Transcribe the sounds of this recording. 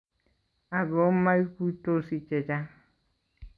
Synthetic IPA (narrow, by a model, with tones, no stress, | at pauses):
a˨βo˨˦ma˦i˦ku˦to˦si˨t͡ʃe˨d͡ʒa˦